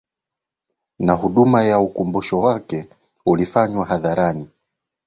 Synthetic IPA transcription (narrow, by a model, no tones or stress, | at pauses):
naɦuɗumajaukumbuʃɔwakɛ | ulifaɲwaɦaðaɾani